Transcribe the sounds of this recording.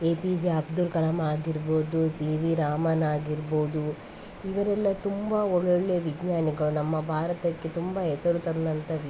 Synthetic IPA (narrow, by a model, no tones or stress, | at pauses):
eːpid͡ʒiɐbd̪ulkɐlɐmaːɡiɾboːd̪usiːʋiɾaːmɐnaːɡiɾboːd̪u | iʋɐɾɛlːɐt̪umbaɔɭːoɭːe̞ːʋiɡɲaːniɡɐɭunɐmːɐbʱaːɾɐt̪ɐkːe̞t̪umbaːɦɛsɐɾut̪ɐnd̪ɐnt̪ɐʋ